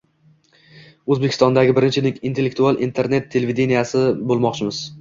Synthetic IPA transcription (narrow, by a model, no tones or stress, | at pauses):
ɵzbekʰʲɪ̥st̪ɒnd̪aɡʲɪbɪɾɪnt͡ʃʰɪnɪŋint̪ʰe̞lːek̚t̪ʰualˠʔint̪ʰeɾne̞t̪ʰːe̞levid̪e̞nijasɪbolˠmɒqt͡ʃʰɪmɪz̥